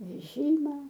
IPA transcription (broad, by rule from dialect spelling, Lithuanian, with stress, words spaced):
ʋʲɛˈʒʲiːmɐ